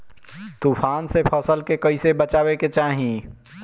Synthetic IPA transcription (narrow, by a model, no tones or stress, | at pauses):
t̪uːpʰaːnsepʰəsəlkekəisebət͡ʃaːweket͡ʃaːɦĩ